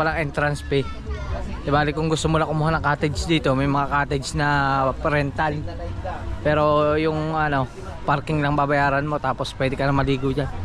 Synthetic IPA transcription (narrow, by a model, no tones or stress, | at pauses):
palaŋɛnt̪ɾanspɛ | t̪ibalɪkʊŋɡʊst̪umulakumoɦɔnakat̪ɛd͡ʒdit̪umemaŋakat̪ɛd͡ʒnapəɾɛnt̪an | pɛɾojʊŋano | parkɪŋlaŋbabajaɾanmot̪apɔspadikarnamaliɡud͡ʒa